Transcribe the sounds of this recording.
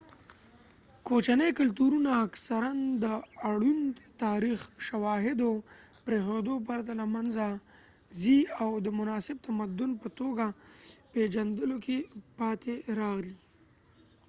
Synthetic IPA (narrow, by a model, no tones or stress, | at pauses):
kot͡ʃanəjkalt̪uɾunaːksaɾand̪əaɽunt̪ɑɾixʃawɑɦɪd̪opɾexod̪op̬aɾat̪alamanza | ziawd̪əmʊnɑsɪb̚t̪amad̪ʊnpət̪oɡaped͡ʒand̪əlokepɑt̪eɾɑɣli